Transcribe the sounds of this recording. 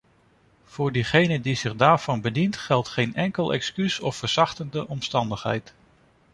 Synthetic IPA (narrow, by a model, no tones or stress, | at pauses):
v̥ʊːɹdiχejnədizɪχdaːɹv̥ɑnbədintχɛlˠtχejnɛŋkəlˠʔɛ̰kskysɔfəɹz̥ɑχtəndəʔɔmstɑndəχɦɛ̰jt